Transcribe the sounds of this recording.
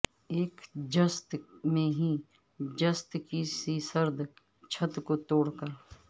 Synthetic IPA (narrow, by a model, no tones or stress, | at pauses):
eːkd͡ʒəst̪mẽɦi | d͡ʒəst̪kisiːsəɾd̪ʱ | t͡ʃʰət̪kot̪oːɽkəɾ